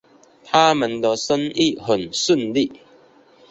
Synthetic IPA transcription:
t̪ʰa˦mə˨nd̪ə˧sə˦ni˥˨hə˨˩nsə˥˨nli˥˨

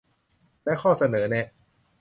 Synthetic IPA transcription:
lɛː˦˥kʰɔː˥˩sa˧nɤː˩˦nɛ˧˩

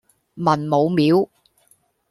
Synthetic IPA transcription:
mɐ˨˩nmo˨˧wmiː˨˥w

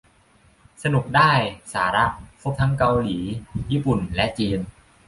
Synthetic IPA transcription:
sa˧nu˨˩k̚daː˥˩jsaː˩˦ɾa˦˥ʔ̚pʰo˦˥p̚t̪ʰa˦˥ŋka˧wliː˩˦jiː˥˩pu˨˩nlɛ˦˥ʔt͡ɕiː˧n

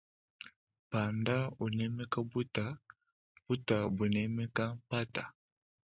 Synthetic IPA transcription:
pa˨nda˦u˨nɛ˦mɛ˦ka˦bu˦ta˨ | b̥u˦ta˨bu˨nɛ˦mɛ˦ka˦pa˦ta˨

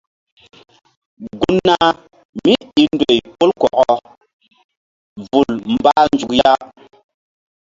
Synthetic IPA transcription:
ɡu˦nːa˦ | mi˦i˨ndo˨jpo˦lkɔ˨ʔɔ˨ | vu˨lm̩˨ba˦n˨d͡ʒu˨kja˦

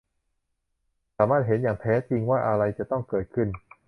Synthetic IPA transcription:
saː˩˦maː˥˩t̪̚ɦe˩˦njaː˨˩ŋt̪ʰɛː˦˥t͡ɕi˧ŋwaː˥˩ʔa˧ɾa˧jt͡ɕa˨˩t̪ɔ˥˩ŋkɤː˨˩t̪̚kʰɯ˥˩n

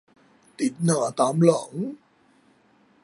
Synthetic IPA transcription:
t̪i˨˩t̚nə̰ː˧˩t̪aː˨˦mlə̰˧˩˦ŋ

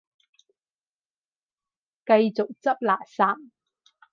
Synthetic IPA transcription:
kɐ˧jt͡sʊ˨k̚t͡sɐ˥p̚laː˨˩saː˧˥m

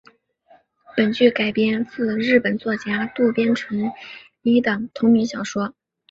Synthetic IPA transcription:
pə˨˩nt͡ɕy˥˩ka˨˩ɪpjɛ˥nt͡sɹ̩˥˧ɻɻ̩˥˩pə˨˩nt͡swɔ˥˩t͡ɕja˥t̪u˥˩pjɛ˥nʈ͡ʂʰɤ˧˥ŋli˧˥t̪ɤ˨˩ŋt̪ʰʊ˧˥ŋmy˧˥ɕjɑ˨˩ʊʂwɔ˥

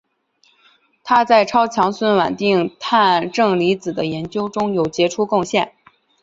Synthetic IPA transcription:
t̪ʰa˥t͡sa˥˩ɪʈ͡ʂʰɑ˥ʊt͡ɕʰjɑ˧˥ŋswə˥˩nwa˨˩nt̪i˥˧ŋt̪ʰa˥˧nʈ͡ʂɤ˥˩ŋli˧˥t͡sɹ̩˨˩d̪ə˦jɛ˧˥nt͡ɕjo˥ʊʈ͡ʂʊ˥ŋjo˨˩ʊt͡ɕjɛ˧˥ʈ͡ʂʰu˥kʊ˥˧ŋɕjɛ˥˩n

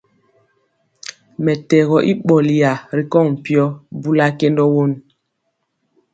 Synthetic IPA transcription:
mɛ˨tɛ˨ɣɔ˨ʔi˦ɓɔ˨li˨ja˨ɾi˨kɔ˦˨ŋ̩˨pi˦ɔ˦bu˦la˦ke˦ndɔ˦wo˦˨n

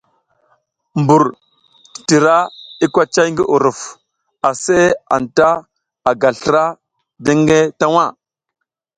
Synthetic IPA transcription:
mbu˨ɾ | ti̥˨ti˨ɾa˦i˦kʷa˦t͡ʃa˦jŋ˦ɡi˦ʔu˨ɾu˨f | a˨se˦a̰˨n˨ta˦ | a˨ɡa˨ɬə˦ɾa˦ | de˦ŋɡe˦ta˦wa˦˨

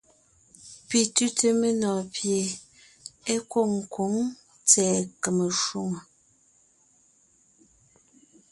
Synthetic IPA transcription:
pi˨tʉ˦te˦me˦nɔː˨pje˨ | e˦ko˦˨ŋ̩˨ko˨˦ŋ | t͡sɛː˨kə˨mə˨ʃu˦ŋə˨

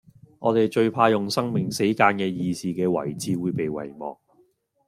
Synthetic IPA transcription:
ŋɔː˨˧t̪e˨jt͡ʃɵ˧ɥpʰaː˧jʊ˨ŋsɐ˥ŋmɪ˨ŋse˨˥jkaː˧nkɛː˧jiː˧siː˨kɛː˧wɐ̰˨˩jt͡siː˨˧wuː˨˧jpe˨jwɐ̰˨˩jmɔ̰ː˨k̚

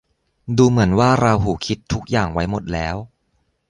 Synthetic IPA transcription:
duː˧mɯ˩˦ənwaː˥˩ɾa˧wɦuː˩kʰi˦˥t̪ʰːu˦˥k̚jaː˨˩ŋwa˦˥jmo˨˩t̪̚lɛː˦˥w

